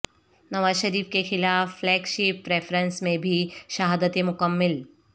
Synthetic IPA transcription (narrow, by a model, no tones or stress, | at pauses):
nɐʋaːzʃɐɾiːfkexɪlaːfːlɛːkʃiːpːɾeːfɾənsmẽbʱiʃɐɦaːd̪ət̪emʊkəmːɪl